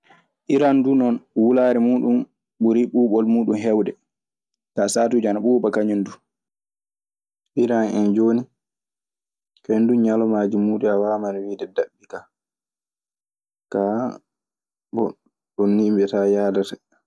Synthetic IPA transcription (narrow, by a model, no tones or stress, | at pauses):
ʔiɾandunɔnwulaːɾɛmuːɗum | ɓuɾiɓuːɓɔlmuːɗumɦɛwdɛ | tasaːtud͡ʒanaɓuːbakaɲundu | ʔiɾanɛnd͡ʒoːni | kenduɲalɔmaːd͡ʒimuːɗɛawaːmanwiːdɛdaɓːika | ka | bɔ | ɗɔnːimbɛtajaːdata